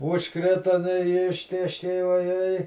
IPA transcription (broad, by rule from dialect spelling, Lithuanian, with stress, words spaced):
ʊʃˈkrʲɪtɐ nʊ ɪ ˈɪʃʲtʲeːʃʲkʲɛɪ ʋɐˈjɛɪ